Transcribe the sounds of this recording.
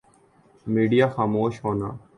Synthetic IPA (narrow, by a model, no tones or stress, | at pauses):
miːɖijaːxaːmoːʃɦoːnaː